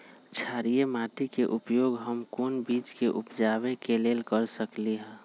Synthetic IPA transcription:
t͡ʃʰaːɾijemaːʈikeʔʊpjoːɡɦəmkoːnbiːt͡ʃkeʔʊpd͡ʒaːbekeleːlkəɾsəkliɦɛ̃

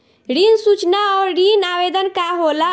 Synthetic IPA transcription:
ɾinsut͡ʃnaɔɾɖinabed̪ənkaɦola

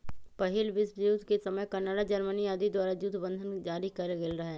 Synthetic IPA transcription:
pɐɦɪlʋɪsuːt̪kesɐməjkɐnaːɽad͡ʒɐɾməniaːd̪id̪waːɾad͡ʒuːt̪bə̃nd̪ʱənd͡ʒaːɾikɐɾɡelɾɐɦeː

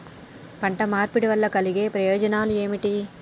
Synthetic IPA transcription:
pɐɳʈɐmaːɾpiɽiʋɐlːɐkɐliɡe̞ːpɾɐjoːd͡ʒɐnaːlue̞ːmiʈi

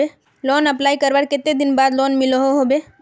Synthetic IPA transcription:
e | lɔːnəplaːikəɾʋəɽket̪ed̪ɪnbaːd̪lɔːnmɪloɦoɦobe

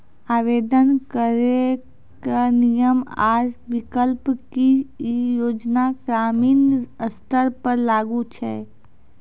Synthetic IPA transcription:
aːʋeːd̪ənkəɾe | kanijəma̰ːd͡ʒʋɪkəlpkijoːd͡ʒnakɾaːmiːnəst̪əɾpəɾlaːɡut͡ʃʰɛ

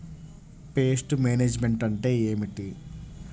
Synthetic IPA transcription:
peːsʈumeːneːd͡ʒmeɳʈɐɳʈe̞ːeːmiʈi

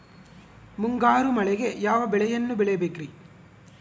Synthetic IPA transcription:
muŋɡaːɾumɐɭɛɡe̞jaːʋɐbɛɭɛjɐnːubɛɭɛjɐbeːkɾi

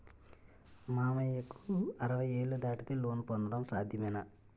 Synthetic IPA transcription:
maːmɐjɐkːuɐɾɐʋɐjeːɭːud̪aːʈit̪eloːnpond̪ɐɾɐmsaːd̪ʱjɐmɐjnɐ

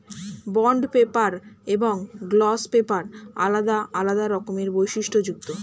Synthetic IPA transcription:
bɔɳɖpepaɾeboŋɡlɔspepaɾa̰lad̪aʔalad̪aɾɔkomeɾbojʃiʃʈʰod͡ʑuk̚t̪o

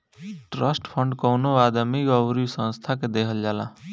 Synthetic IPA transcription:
ʈɾəsʈpʰəɳɖkɔwnoad̪əmikɔwɾisə̃nst̪ʰaked̪ekʰəld͡ʒala

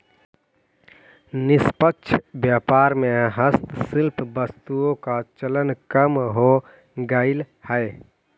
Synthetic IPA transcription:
nɪspəkːʃʰbjaːpaːɾmẽɦəst̪sɪlpbəst̪uõkat͡ʃələnkəmɦo | ɡəɪl | həe

